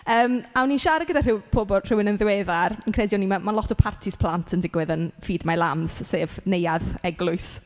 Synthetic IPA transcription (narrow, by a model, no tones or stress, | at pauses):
əːmawninʃaɾaɡədar̥ɪwpʰoːbɔr̥ɪwɪnənðɪwɛðarənkʰrɛdjɔnimamanlˠɔtʰɔpʰartʰɪspʰl̥ˠantʰəndɪɡwɛðənfiːdmalˠamz̥seːvnejaðɛɡlˠʊɨs